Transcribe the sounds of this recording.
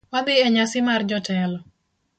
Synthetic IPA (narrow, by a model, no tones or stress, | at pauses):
wabɪɛɲasɪmard͡ʒɔtɛlɔ